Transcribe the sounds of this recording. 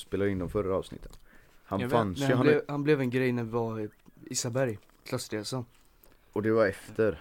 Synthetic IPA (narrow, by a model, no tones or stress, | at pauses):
speːlad̪jəɪnd̪ɔmfœɾːaɑ̰ːvsnɪ̰t̪ʰːə̥nhanfanmsɛjaɛhanblɛvɛnɡɾɛjnævɪvaiːsabæɾj | kʰlɑsɾeːsɔn | ɔd̪ɛvaɾɛft̪ʰəɾ